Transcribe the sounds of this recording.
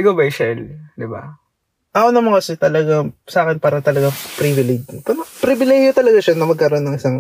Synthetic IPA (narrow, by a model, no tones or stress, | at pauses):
ɪɡobɐjʃɛld̪ɪba̰ | ʔɐkonɐmɐŋkɐsɛt̪ɐlɐɡasɐaːkɛnpaːɾɐt̪ɐlɐɡapɾivɪlɛɡpɐnpɾibɪlɛɡjot̪ɐlɐɡaʃɐnɐmɐɡkɐɾo̞nːɐŋʔɪsaŋ